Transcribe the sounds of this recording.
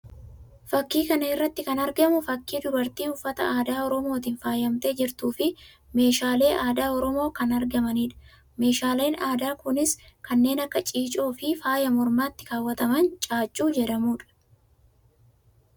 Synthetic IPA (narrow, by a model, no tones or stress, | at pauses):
fɐkːiːkɐnɐɪrːɐt̪ːɪkɐnɐɾɡɐmʊfɐkːiːd̪ʊbɐɾt̪iːʊfːɐt̪ɐ̰aːd̪aːɔɾɔmo̞ːt̪ɪnfaːjɐmt̪e̞ːd͡ʒɪɾt̪uːfɪ | me̞ːʃaːle̞ːʔaːd̪aːɔɾɔmo̞ːkɐnɐɾɡɐmɐniːᶑɐ̥ | me̞ːʃaːle̞ːnaːd̪aːkʊnɪskɐnːe̞ːnɐkːɐt͡ʃʼiːt͡ʃʼoːfɪfaːjɐmɔɾmaːt̪ːɪ̥kaːwːɐt̪ɐmɐnt͡ʃʼaːt͡ʃʼːuːd͡ʒɛᶑɐmuːᶑɐ̥